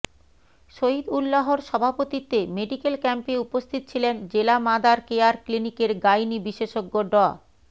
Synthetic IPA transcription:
ʃoɦid̪ulːaɦoɾʃɔbʱapot̪it̪emeɖikelkɛmpeupost̪ʰit̪o̥t͡ɕʰilend͡ʑelamad̪aɾkeaɾklinikeɾɡajnibiʃeʃoɡːoɖɔ

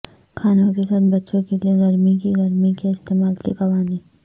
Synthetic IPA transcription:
kʰaːnõkesaːt̪̚bɐtːʃõkelieɡɐɾmikiɡɐɾmikaɪst̪eːmaːlsḛkɐʋaːnĩː

